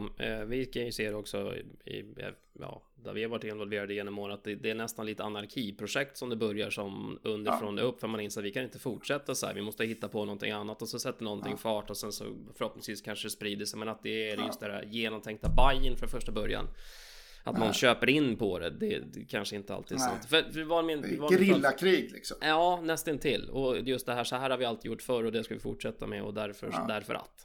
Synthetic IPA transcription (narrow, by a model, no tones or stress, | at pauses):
vɪkʰaseːɾɛɔksɔ̰ɪ̰ja̰ | jɑ̰ː | d̪ɛ̰ɾvɪhaɾvaʈːɪnvɔlveːɾad̪əjeːnːɔmːoːnat̪̚d̪ɛd̪ɛːɳɛst̪anliːt̪əanaɾkʰiːpʰɾʊʂɛk̚t̪sɔmd̪ɛbœɾjaʂɔmɵnd̪əɾfɾoːnd̪ɛ̰ɵpːfœɾmanɪnsat̪vɪkʰanɪnt̪əfʊʈʂɛt̪ːasɔæ̰ɾvɪmɔst̪əhɪt̪ːapʰɔnɔnt̪ʰɪ̰ŋanːat̪ɔsɛnsɛt̪ːd̪ɛnɔnt̪ʰɪŋfɑːʈɔsɛnsɔ̰fœɾhɔp̚nɪŋsviːskʰanʂəd̪ɛspɾiːd̪əʂɛɪmɛnat̪̚d̪ɛæɾjɵst̪d̪ɛæ̰ɾjeːnɔmt̪ʰɛŋkt̪abajːənfɾɔnfœʂʈabœɾja̰n | ʔat̪nɔnɕøːpəɾɪnːpʰɔd̪ɛ̰d̪ɛ̰d̪ɛkʰanʂəɪnt̪əa̰t̪ʰiːd̪sa̰nt̪fœfd̪ɛvamɪnd̪ɛvaɾɾɪlːakʰɾiːɡlɪ̰ksɔmjɑːnɛst̪ənt̪ʰɪlːɔjɵst̪̚d̪ɛɦæːʂɔhæːɾhaɾvɪalt̪ɪjʊʈːfœɾɔd̪ɛskavɪfʊ̰ʈʂɛt̪ːa̰mɛ̰ɔ̰d̪æɾfœ̰d̪æɾfœ̰ɾʔa̰lt̪ː